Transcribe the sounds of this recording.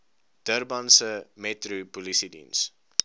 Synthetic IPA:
d̥ərbɐnsəmɛtrupulisidḭns

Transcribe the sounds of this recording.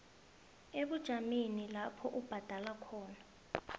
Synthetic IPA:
eɓud̥ʒ̥ʱaminilapʰɔʔub̥ʱad̥ʱalakʰɔːna

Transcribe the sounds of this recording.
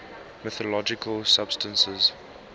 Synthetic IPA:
mɪθəlɔd͡ʒɪkʰəlsab̥stə̃nsəz

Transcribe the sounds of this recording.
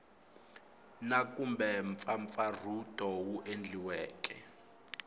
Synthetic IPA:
nakumbɛɱfaɱfarud̥ʱɔwuʔend͡ɮʱiwɛːk̬ʼɛ

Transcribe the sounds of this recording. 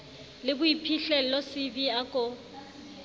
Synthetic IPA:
lɪbʊipʰiɬɛlɔsɪbiakʼʊ

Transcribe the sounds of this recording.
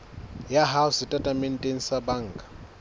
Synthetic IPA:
jaɦaʊsɪtʼatʼamɛn̩tʼeŋ̩sabaŋ̩ːkʼḁ

